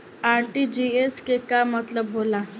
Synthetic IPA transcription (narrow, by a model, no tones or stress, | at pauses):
aɾʈid͡ʑieskekamət̪ləbːola